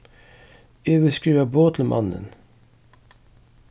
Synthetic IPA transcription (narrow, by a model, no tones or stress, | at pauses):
eːʋɪskʉːɑboːt̪ʰl̩mʔɑ̰nə̰n